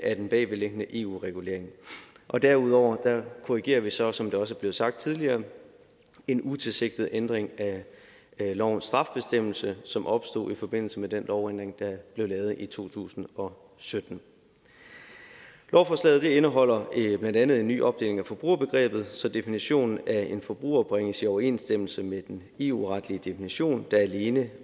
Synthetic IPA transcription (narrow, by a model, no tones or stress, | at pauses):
æd̥enb̥ɛːʋeleɡ̥ənəʔe̝̰ːṵːʁɛɡ̥ule̝ɐeŋ | ʔɒ̽d̥æɐuð̞̰ˠɒʊ̰ɐd̥ækʰoʁiɡ̥e̝̰ːɐʋisɒ̽sɒ̽md̥eɒ̽s̬əæɐb̥le̝ːsɑ̈ɡ̥̚d̥̚t͡sʰiðˠliɐː | e̝nut͡sʰe̝lse̝ɡ̥̚d̥ð̞̩ˠʔend̥ʁeŋæ | lɒʊ̰n̩sd̥ʁɑ̈fb̥e̝sd̥em̰l̩səsɒ̽mʔɒ̽b̥sd̥o̝̰ːifɒ̽b̥e̝n̰l̩səmed̥enlʔɒʊend̥ʁeŋd̥ɑ̈b̥le̝ʊlɛːð̞̩ˠʔit͡sʰo̝̰ːt͡sʰṵːsn̩ɒ̽ | sød̥n̩ | lɒʊfɒslɛ̰ːð̩ˠd̥e̝enəɦɒ̽l̰ɐb̥lænd̥ænð̞̩ˠe̝nːy̰ːʔɒ̽b̥̚d̥e̝ːle̝ŋæfɒ̽b̥ʁṵːɐb̥e̝ɡ̥ʁɛ̰ːb̥ð̞̩ˠsɒ̽d̥e̝finiɕo̝̰ːnn̩æe̝nfɒ̽b̥ʁṵːɐb̥ʁeŋ̰əsiɒʊɐe̝̰ːnsd̥em̰l̩səmed̥en | e̝ːṵʁɑ̈d̥liəd̥e̝finiɕo̝̰ːnd̥ɑ̈æle̝ːnə